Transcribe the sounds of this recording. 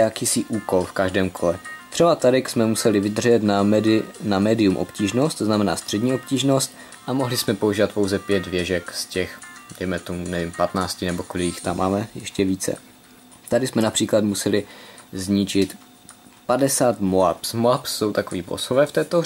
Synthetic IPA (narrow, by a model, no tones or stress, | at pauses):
jakiːsɪʔuːko̞lfkaʒdɛːmkʰo̞lɛt̪r̥ɛbat̪adɪksmɛmusɛlɪvɪd̪rʒɛt̪nanamɛːdɪumʔo̞̰pciːʒno̞st̪znamɛna̰ːst̪r̥ɛdɲiːo̞p̚ciːʒno̞st̪̚ | ʔamo̞ɦlɪsmɛpouʒiːvat̪po̞wzɛpjɛd̪vjɛʒɛkscɛxdɛjmɛt̪omunɛvimpat̪naːt͡scɪnɛbo̞kolɪɪxt̪amʔa̰ːmɛjɛʃcɛviːt͡sɛ̰ | t̪adɪsmɛnapr̝̥iːklat̪musɛlɪzɲɪt͡ʃɪt̪ | padɛsaːt̪moa̰psmoapsːo̞wt̪akoviːbo̰sovɛːft̪ɛːt̪o